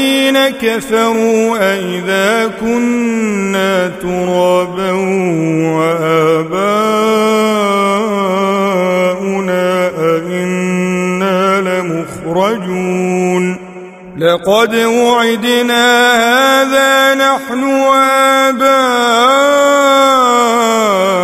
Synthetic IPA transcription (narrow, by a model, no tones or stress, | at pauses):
iːnakafɑɾˤuːʔaʔɪðaːkʊnː | aːt̪ʊɾˤɑːbawwaʔaːbaː | ʔʊnaːʔaʔɪnː | aːlɪmʊxɾˤɑd͡ʒun | lɑqɑd̪wʊʕɪd̪naːhhaaðaːnaħnʊwʔaːbaː